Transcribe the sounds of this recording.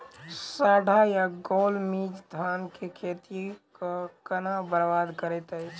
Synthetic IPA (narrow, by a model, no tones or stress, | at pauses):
saːɖʱajaɡoːlmid͡ʒd̪ʱaːnkekʰeːt̪ikakənabəɾbad̪kəɾɛt̪ɛ